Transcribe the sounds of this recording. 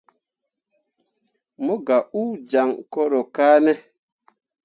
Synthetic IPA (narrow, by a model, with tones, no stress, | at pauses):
mo˦ɡa˨ʔu˦d͡ʒa˨ŋko˦ɾo˨ka˦nɛ˦